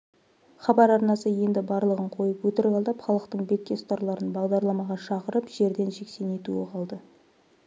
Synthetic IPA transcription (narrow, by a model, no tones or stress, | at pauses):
χɑbɑɾɑɾnɑsəje̞nd̪ɪbɑɾlˠəʁəɴqʰo̞jəpwɵt̪ɪɾɡɑlˠd̪ɑpχɑlˠəq̚t̪əɴbe̞kʲːe̞st̪ɑɾlˠɑɾənbɑʁd̪ɑɾlˠɑmɑʁɑʃɑqəɾəpʒ̥e̞ɾd̪e̞nʒe̞kse̞ne̞t̪uɪqʰɑlˠd̪ə